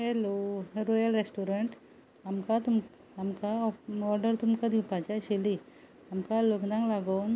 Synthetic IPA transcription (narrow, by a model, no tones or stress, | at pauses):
ɦeloɦɾɔjəlɾesʈuɾeɳʈ | amkat̪um | amkaɔɾɖəɾt̪umkad̪ipat͡ɕaɕeli | amkaloknãŋɡlaɡown